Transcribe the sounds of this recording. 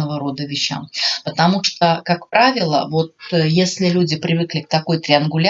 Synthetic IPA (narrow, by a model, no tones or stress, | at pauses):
əvəɾo̞d̪əvʲɪɕːa̰mpət̪ɐmuʂt̪okakpɾʔavʲɪlˠə̰vo̞t̪jesʲlʲɪlʲudʲɪpɾʲɪvɨklʲɪk̚t̪ɐko̞jt̪ɾʲɪɐnɡʊlʲ